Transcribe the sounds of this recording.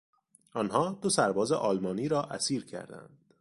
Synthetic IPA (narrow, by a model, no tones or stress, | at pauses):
ʔɒːnɦɒːd̪̥osæɾbɒːzḛʔɒːlmɒːniːɾɒːʔæsiːɾcʰæ̰ɾd̪æ̰nd̪̥